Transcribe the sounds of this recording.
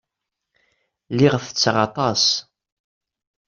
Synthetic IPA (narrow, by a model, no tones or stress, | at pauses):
liʁθət͡sːʁɑt̪ˤɑs